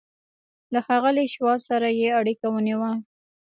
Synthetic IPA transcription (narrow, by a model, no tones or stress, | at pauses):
laxɑɣəliʃwɑbsaɾajeaɽikawəniwa